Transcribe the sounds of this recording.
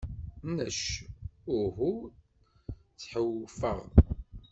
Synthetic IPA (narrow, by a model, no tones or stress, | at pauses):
næʃ | ʊɾɦu | t͡sːħəwfə̰ʁ